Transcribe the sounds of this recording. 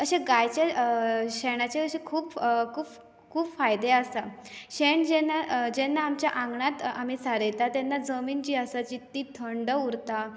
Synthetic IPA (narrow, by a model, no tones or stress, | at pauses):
əɕẽɡajt͡ɕjaɕɛɽ̃at͡ɕeəɕẽkʰuːpkʰuːp | kʰuːpfajd̪easa | ɕeɳd͡ʑɛnad͡ʑɛnːaːmt͡ɕjaʔãŋɡɳat̪am̤it͡saɾəjt̪at̪ɛnːad͡zəmiːnt͡ɕiːasat͡ɕit̪ːiːt̪ʰəɳɖəuɾt̪a